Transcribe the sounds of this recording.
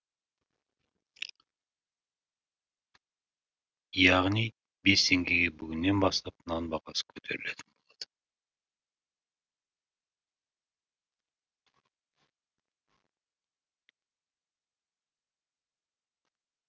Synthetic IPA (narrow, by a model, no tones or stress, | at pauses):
jɑʁni | best̪ʰe̞ŋɡeɡebyɡynːe̞nbɑst̪ɑpnɑnbɑʁɑsə̥kʰɵt̪ʰeɾyle̞t̪ʰɪ̥nbo̞lˠod̪̥